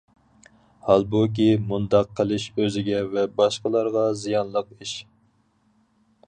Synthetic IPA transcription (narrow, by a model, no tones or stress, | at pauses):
hɑlˠbuk̬ʲimund̪ɑqʰːəlˠɪʃøzɪɡʲɛvɛbɑʃqəlˠɑɾʁɑzijɑnlˠəqiʃ